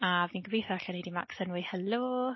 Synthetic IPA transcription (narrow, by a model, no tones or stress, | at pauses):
aviːnɡəbejθaaɬanejdima̰ksənwɪhəlu